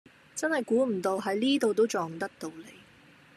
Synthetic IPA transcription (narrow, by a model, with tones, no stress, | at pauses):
t͡sɐ˥nhɐ˨jkuː˨˥m̩˨˩t̪o˧wɦɐ˨˥jliː˥t̪o˨˧wt̪o˥wt͡sɔː˨ŋ˨t̪ɐ˥k̚t̪o˧wle˨˧j